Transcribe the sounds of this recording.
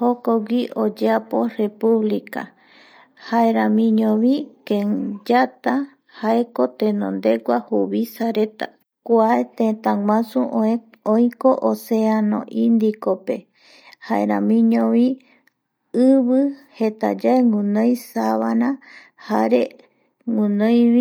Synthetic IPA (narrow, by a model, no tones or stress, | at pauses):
hokoɡʷiʔod͡ʒeapo̞repuβlika̰ | haeɾãmĩɲõβikẽd͡ʒat̪a | haeko̞t̪ẽnõ̰nd̪e̞ɡʷahuβisaɾe̞t̪a̰ | kʷaet̪ẽt̪ãŋʷãsũʔoe | ojko̞ʔoseanõ̰ʔind̪ikope̞ | haḛɾã̰mĩɲõβi | ɨβɨhet̪a̰d͡ʒaeŋũnõjsaβanã | haɾe | ŋũnõjβi